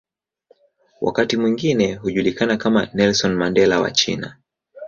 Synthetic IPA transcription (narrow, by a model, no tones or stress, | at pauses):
wʔa̰katimwiŋɡinɛɦuʄulikanakamanɛlsɔnmandɛlawa̰t͡ʃḭna